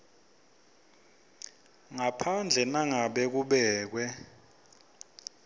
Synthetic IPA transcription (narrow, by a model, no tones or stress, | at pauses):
ŋapʰand͡ɮʱɛnaŋaɓɛk̬uɓɛːk̬wɛ